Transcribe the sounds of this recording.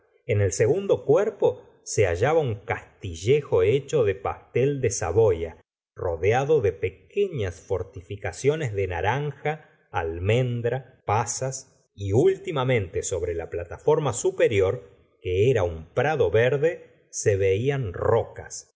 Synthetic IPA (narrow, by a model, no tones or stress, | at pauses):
ene̞lse̞ɣund̪o̞kweɾpo̞ | seaʒaβauŋkast̪iʒe̞xo̞et͡ʃo̞ðe̞past̪eld̪esa̰βoja | roðeaðoðe̞pekeɲasfo̞ɾt̪ifikasjo̞nezðe̞naɾaŋxaː | lmẽ̞nd̪ɾa | pasas | iult̪imamẽ̞nt̪eso̞βɾelaplat̪afo̞ɾmasupeɾjo̞ɾ | keeɾaumpɾaðo̞βeɾðe̞ | seβeianroka̰s